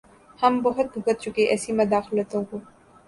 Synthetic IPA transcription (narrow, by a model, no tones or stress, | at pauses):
hɐmbɐɦʊt̪̚bʱʊkət̪̚t͡ʃʊkeʔɛːsimɐd̪aːxlət̪õkoː